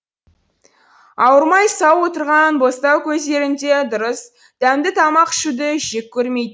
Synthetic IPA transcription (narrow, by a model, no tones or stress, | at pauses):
ɑwəɾmɑjsɑwo̞t̪əɾʁɑnbo̞st̪ɑwkʲʰɵzd̪e̞ɾɪnd̪e̞d̪ʊɾəs | d̪̥æmd̪ɪt̪ʰɑmɑqɪ̥ʃud̪ɪʒek̚ʲʰːɵɾme̞jd̪